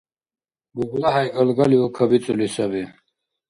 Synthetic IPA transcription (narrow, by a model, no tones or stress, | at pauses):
ɡuɡlaɦajkʼəlɡaliɔkʰabit͡sʼulisabi